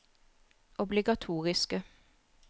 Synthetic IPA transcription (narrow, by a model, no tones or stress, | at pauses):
ʔɔblɪɡɑt̪ʰuːʁɪskə